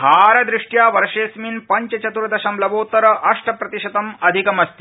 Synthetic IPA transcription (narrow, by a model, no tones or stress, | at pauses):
aːɾɐd̪ɾɪʂʈjaːʋɐɾʂeːsminpɐɲt͡ʃɐt͡ʃɐt̪uɾɐd̪ɐʃɐmlɐʋoːt̪ɐɾɐʔɐʂʈʰɐpɾɐt̪iʃɐt̪ɐmɐd̪ʱikɐmɐst̪i